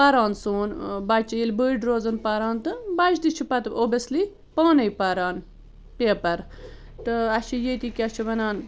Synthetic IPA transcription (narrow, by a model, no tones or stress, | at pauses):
paɾaːnsoːnbɐt͡ʃɐjilʲbəːɖɾoːzɐnpɐɾaːnt̪ɨbɐt͡ʃʰd̪it͡ʃʰipɐt̪oːbɐsli | paːnɐjpaɾaːn | peːpɐɾ | t̪ɨɐʃʰijet̪ikʲiɐt͡ʃʰiʋɐnaːn